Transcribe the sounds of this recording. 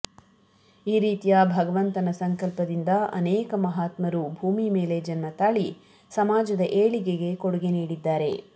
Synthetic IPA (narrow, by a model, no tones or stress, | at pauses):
iːɾiːt̪ijabʱɐɡɐʋɐnt̪ɐnɐsɐŋkɐlpɐd̪ind̪ɐɐ̰nɛːkɐmɐɦaːt̪mɐɾubʱuːmime̞ːle̞d͡ʒɐnmɐt̪aːɭi | sɐmaːd͡ʒɐd̪ɐʔeːɭiɡe̞ɡe̞koɽuɡe̞niːɽid̪ːaːɾe̞